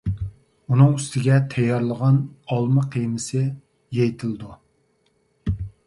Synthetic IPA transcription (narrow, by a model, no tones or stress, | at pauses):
unɨŋyst̪ʰɪɡʲɛt̪ʰɛjːɑɾlˠəʁɑnɑlˠmɨqʰejmɪsɪ | jejt̪ʰɪlˠd̪u